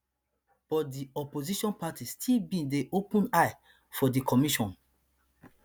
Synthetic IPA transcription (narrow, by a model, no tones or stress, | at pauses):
b̥ɔt̚diɔpoziʃɔ̃npatistʰilbĩndeʔopũnaj | fɔdikʰɔmiʃɔ̃n